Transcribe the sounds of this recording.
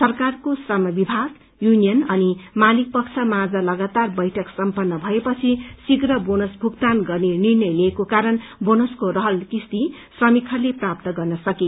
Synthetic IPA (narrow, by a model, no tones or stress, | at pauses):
sʌrkarkosrʌmʌbibʱaɡ | junijʌnʌnimalik̚pʌkt͡sʰʌmad͡zalʌɡat̪arbʌjʈʰʌksʌmpʌnːʌbʱʌepʌt͡sʰisiɡɾʌbonosbʱukt̪anɡʌrnenirnʌjlekokaɾʌnbonoskoɾʌɦʌlkist̪i | srʌmikʰʌrleprap̚t̪ʌɡʌrnʌsʌki